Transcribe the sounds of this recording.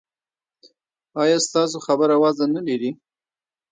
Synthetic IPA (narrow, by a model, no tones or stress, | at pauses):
ɑjɑst̪ɑs̬oxabəɾawɑzanaliɾi